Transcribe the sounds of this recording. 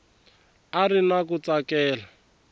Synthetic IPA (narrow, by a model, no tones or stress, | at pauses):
arinakut͡sakɛːla